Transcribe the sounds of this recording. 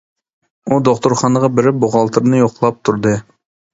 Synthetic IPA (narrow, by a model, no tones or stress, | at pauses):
ud̪oqt̪ʊɾχɑnəʁɑbɪɾɪboʁɑlˠt̪ʰɨɾnɨjoqlˠɑp̚t̪ʰuɾd̪ɨ